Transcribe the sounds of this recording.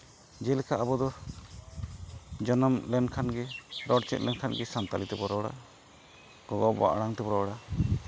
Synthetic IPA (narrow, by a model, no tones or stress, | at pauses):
d͡ʒɛlɛkʰaʔabɔd̪ɔ | d͡ʒɔnɔmlɛnkʰanɡɛɾɔɽt͡ʃɛt̪̚lɛnkʰanɡɛsant̪alit̪ɛbɔɾɔɽa̰ | ɡ̥ɔɡɔba̰ʔɽaŋt̪ɛbɔɾɔɽa